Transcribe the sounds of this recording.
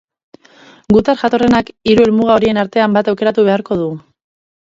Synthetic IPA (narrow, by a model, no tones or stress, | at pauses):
ɡut̪arʝat̪o̞re̞nakiɾue̞lmuɣao̞ɾie̞naɾt̪e̞ambat̪awke̞ɾat̪uβ̞e̞aɾko̞ð̞u